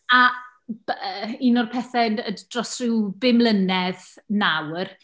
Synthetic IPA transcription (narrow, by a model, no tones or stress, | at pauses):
a | əinɔrpʰɛθɛnəd̥rɔsrɪwbɪmlˠənɛðnawr